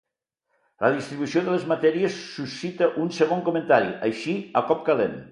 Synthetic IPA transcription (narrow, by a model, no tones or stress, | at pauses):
ləðist̪ɾiβusioðəlezmat̪ɛɾiesːusit̪əʔunseɣ̞oŋkument̪aɾḭajʃiəkɔp̚kalen